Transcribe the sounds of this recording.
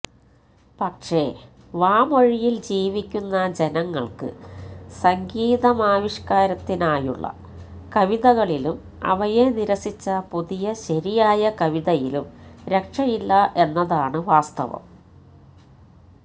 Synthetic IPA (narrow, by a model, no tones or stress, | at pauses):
pɐkʂe̞ | ʋaːmo̞ɻijild͡ʑiːʋikʲːunːɐd͡ʑe̞nɐŋːɐɭkɨ̰sɐŋɡiːðɐmaːʋiɕkaːɾɐt̪ːinaːjṵɭːɐ̰ | kɐʋiðɐɣɐɭilum | ɐ̰ʋɐjeniɾɐsit͡ɕːɐpuðijɐɕɐɾijaːjɐkɐʋiðɐjilumɾe̞kʂɐjilːɐʔe̞nːɐðaːɳɨʋaːst̪ɐ̰ʋɐ̰m